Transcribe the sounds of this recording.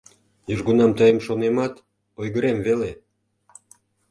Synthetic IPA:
jyʒɣunɑmt̪ɑjəmʃonemɑt̪ | ojɣəɾemvele

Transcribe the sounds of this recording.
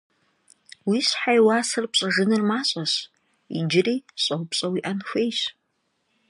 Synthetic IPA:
wisħajwaːsɨrpɕʼɐʐɨnɨrmaːɕʼɐs | ḭd͡ʒɪriːɕʼɐwpɕʼɐwiʔɐnxʷejɕ

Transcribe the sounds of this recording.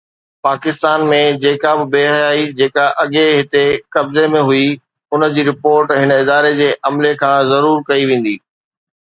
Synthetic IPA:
paːkɪst̪aːnmẽd͡ʑeːkabɪbeːɦjaːid͡ʑeːkaʔɐɠeɦɪt̪ekɐbzemẽɦʊi | ʊnəd͡ʑiːɾɪpoːɾʈɦɪnəɪd̪aːɾed͡ʑeːʔɐmlekʰãːzɐɾuːɾkɐiʋẽːn̆d̪iː

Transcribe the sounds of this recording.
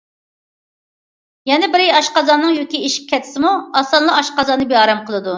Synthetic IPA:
jɛnɪbɪɾiɑʃqɑzɑnːɨŋjokʲiiʃi̥p̚ʲkʲʰɛt̪ʰɪ̥sɪmuɑsɑnlˠɑɑʃqɑzɑnːɨbiɑːɾɛmqəlˠɨd̪u

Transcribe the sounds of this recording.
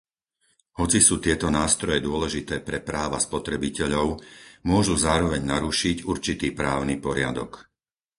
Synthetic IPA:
hɔt͡sisuːt̪ɪɛt̪ɔnaːst̪ɾɔjɛd̪ʊɔlɛʒit̪ɛːpɾɛpɾaːʋa̰spɔt̪ɾɛbicɛʎɔʊmʊɔʒuzaːɾɔʋɛɲnaɾuʃiɟuɾt͡ʃit̪iːpɾaːʊnipɔɾɪa̰d̪ɔk

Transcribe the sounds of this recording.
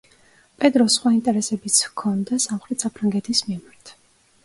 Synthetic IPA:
pʼɛd̪ɾɔsχwaint̪ʼɛɾɛsɛbit̪sʰkʰɔnd̪asamχɾɛt̪ʰsapʰɾaŋɡɛt̪ʰismimaɾt̪ʰ

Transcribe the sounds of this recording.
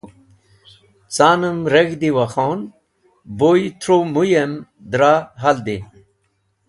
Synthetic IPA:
t͡saːnəmɾeɡd̪iwaxoːn | bojt̪ʰɾomujem | d̪ɾaɦald̪i

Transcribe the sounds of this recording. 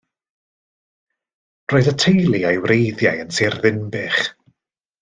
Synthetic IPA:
r̥oːɨðətʰejlˠiajwrejðjajənserðɪnbɨχ

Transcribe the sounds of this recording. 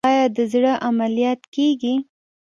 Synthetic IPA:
ɑjɑd̪əzɽəʔamalijɑt̪keɡi

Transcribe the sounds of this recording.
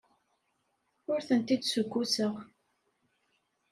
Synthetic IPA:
ʊɾθənt̪id̪sʊɡʷːusəʁ

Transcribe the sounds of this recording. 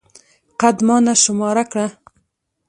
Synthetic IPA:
qad̪mɑːnaʃʊmɑːɾakɽa

